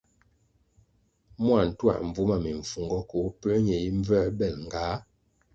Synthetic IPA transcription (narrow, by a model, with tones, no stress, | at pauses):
mwa˨n̩˨twa̰˨m̩˨b͡vu˦ma˦˨me˨ɱ̩˨fu˨ŋɡɔ˦ko˨˦pə˦ɲɛ˨i˦ɱ˦vɛ˦˨bɛ˨lŋ˨ɡa˨˦